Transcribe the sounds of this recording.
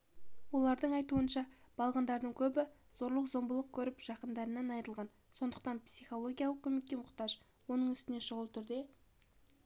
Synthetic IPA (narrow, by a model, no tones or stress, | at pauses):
wo̞lˠɑɾd̪əɴɑjt̪uənʃɑb̥ɑlˠʁɑnd̪ɑɾd̪əɴkʲʰɵbɪ | z̥o̞ɾlˠəqzo̞mbəlˠəq̚kʲʰɵɾɪpʒ̥ɑqənd̪ɑɾənɑnɑjəɾəlˠʁɑn | so̞nd̪əqt̪ɑnpsijχo̞lˠo̞ɡʲijaɑlˠəqkʲʰɵme̞k̚t̪emʊqt̪ɑʒwo̞nəɴʏst̪ɪneʃʊʁəlˠt̪ʰʏɾd̪e̞